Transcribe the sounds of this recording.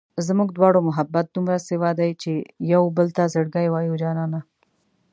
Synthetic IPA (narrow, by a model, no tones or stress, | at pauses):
zmuɡ̚d̪wɑːɽomʊɦabːat̪̚d̪umɾasɪwaːd̪ajt͡ʃejawbəlt̪azəɽɡajwaːjud͡ʒaːnaːna